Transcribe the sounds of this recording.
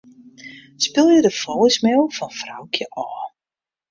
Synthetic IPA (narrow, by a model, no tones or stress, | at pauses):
spɪlˠjədəfosmɪlˠfɔnfra̰wkʰjəʔɔː